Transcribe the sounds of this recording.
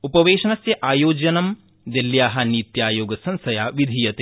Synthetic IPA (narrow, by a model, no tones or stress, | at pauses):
upɐʋeːʃɐnɐsjɐʔaːjoːd͡ʒɐnɐm | d̪eljaːɦɐnit̪jaːjoːɡɐsɐnsɐjaːʋid̪ʱiːjɐt̪e